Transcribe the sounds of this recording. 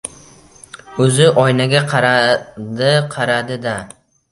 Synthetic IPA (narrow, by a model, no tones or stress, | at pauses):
ɵzɪʔɒjnaɡʲaqʰɑɾad̪ɪqʰɑɾad̪ɪd̪a